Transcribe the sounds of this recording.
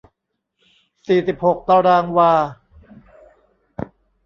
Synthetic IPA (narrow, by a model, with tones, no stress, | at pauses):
siː˨˩si˨˩p̚ho˨˩k̚t̪aː˧ɾaː˧ŋwaː˧